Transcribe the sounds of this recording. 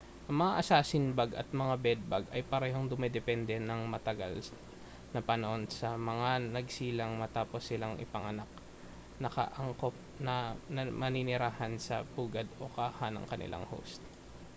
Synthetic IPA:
ʔɐŋmɐŋaʔɐsaːsɪnbaɡɐ̰t̪̚mɐŋabɛd̪̚baɡɐjpɐɾɛːɦo̞ŋd̪ʊmɛd̪ɛpɛnd̪ɛnɐŋmɐt̪ɐɡa̰l | nɐpɐnɐʔo̞nsɐmɐŋanɐɡ̚siːlɐŋmɐt̪aːpo̞sːɪlaŋʔɪ̰pɐŋɐnak̚ | nɐkɐ̰ʔɐŋkop̚nɐnɐmɐninɪɾaːhɐnsɐpuːɡɐd̪o̞kaːhanɐ̰ŋkɐnɪ̰lʔa̰ŋho̰wst̪̚

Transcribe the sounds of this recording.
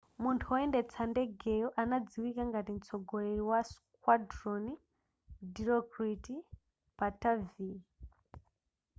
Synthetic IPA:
muntʰuɔendet͡sʰandeɡʱejɔʔanad͡ziwikaŋɡatim̩t͡sʰɔɡʱoɾeɾiwas | kwadroni | diɾɔkriti | patavi

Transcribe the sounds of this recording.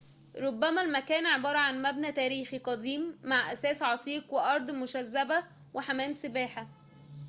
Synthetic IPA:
ɾˤobːæmælmækæːnʕebɑːɾˤɑʕanmæbnæt̪æːɾiːxiqɑd̪iːmːaʕʔæsæːsʕɑt̪ˤiːqweʔɑɾˤd̪ˤmʊʃæzːæbæ | wʔeħæmæːmsebæːħa

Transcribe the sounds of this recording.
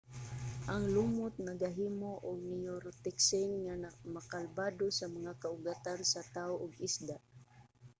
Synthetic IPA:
ʔaŋlumʊt̪̚naɡaɦiːmoʔʊɡ̚nɪjoɾot̪ɪksɪnŋamakalbad̪osamaŋakaʊɡat̪ansat̪aʊʔʊɡɪsd̪aʔ

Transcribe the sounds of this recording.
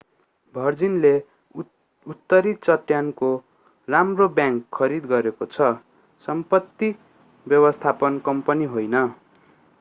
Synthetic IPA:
bʱʌrd͡zinle | ut̪ːʌɾit͡sʌʈːjanko | ramrobjaŋkʰːʌɾid̪ɡʌɾekot͡sʰʌ | sʌmpʌt̪ːi | bjʌbʌst̪ʰapʌnkʌmpʌniɦojnʌ

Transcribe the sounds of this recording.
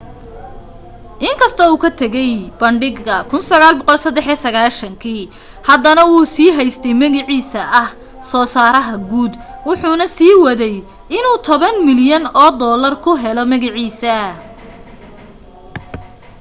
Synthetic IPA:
ʔɪŋkʰɐst̪ʰɔuːkʰɐt̪ʰɐɣɛjb̥ɐɳɖɪɡɐkʰʊnsɐɣaːlbɔqɔlsɐd̪ɛħisɐɣaːʃɐŋkʰiː | hɐd̪ɐnɐwuːsiːɦɛjst̪ʰɛjmɐɣɪʕiːsɐʔɐh | sɔːsaːɾɐɦɐɡuːd̪ | wʊħuːnɐsiːwɐðɛj | ʔɪnuːt̪ʰɔβɐnmɪljɐnɔːd̪ɔːlɐrkʰʊɦɛlɔmɐɣɪʕiːsɐ

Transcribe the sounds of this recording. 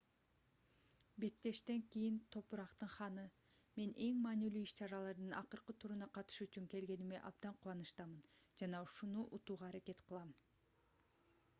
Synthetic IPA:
be̞t̪ːe̞ʃt̪e̞ŋkijint̪ʰo̞puɾɑqt̪ɯɴχɑnɯ | me̞nʔe̞ŋmɑːnilyːiʃt͡ʃɑɾɑlˠɑɾd̪ɯnɑ̰qɯɾqɯt̪ʰuɾunɑqɑt̪ɯ̥ʃyt͡ʃyŋke̞lɡe̞nimḛʔɑb̚d̪ɑɴqʰuwˠɑnɯʃt̪ɑmɯnd͡ʒɑnɑuʃunuʔut̪uːʁɑːɾake̞t̪qʰɯlˠɑm

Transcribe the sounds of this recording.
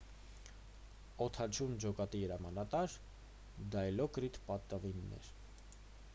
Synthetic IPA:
ɔt̪ʰɑt͡ʃʰund͡ʒɔkɑt̪iəɾɑmɑnɑt̪ɑɾ | d̪ɑjlɔkɾit̪pɑt̪ːəvinːɛ̰ɾ

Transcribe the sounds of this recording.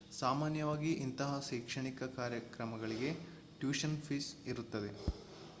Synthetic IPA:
saːmaːnjɐʋaːɡiʔint̪ɐɦɐʃɐːkʂɐɳikɐkaːɾjɐkɾɐmɐɡɐɭiɡe̞ | ʈjuːʃɐnpʰisiɾut̪ːɐd̪e̞̰

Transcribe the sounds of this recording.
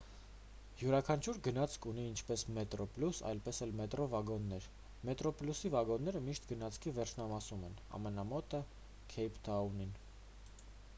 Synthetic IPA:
juɾɑkʰɑnt͡ʃʰuɾɡənɑt͡sʰkʰuniːnt͡ʃʰpɛsmɛt̪ɾɔplusɑ̰jlpɛsɛlmɛt̪ɾɔvɑɡɔnːɛɾ | mɛt̪ɾɔplusivɑɡɔnːɛɾəmiʃt̪ɡənɑt͡sʰkʰivɛɾt͡ʃʰnɑmɑsumɛnɑ̰mɛnɑmɔt̪ə | kʰɛjpʰt̪ʰɑunin

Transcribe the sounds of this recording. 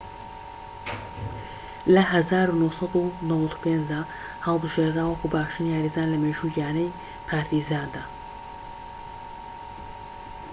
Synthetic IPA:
lɐɦɐzaːɾunosɑd̪unɨwɐt̪ʰu̥pʰeːnd͡ʒd̪aː | həlˠbɨʒeːɾnawɐkubaːʃt̪ɨniaɾizaːnlɐmeːʒujaːnɐj | pʰaːɾt̪ʰizaːnd̪aː

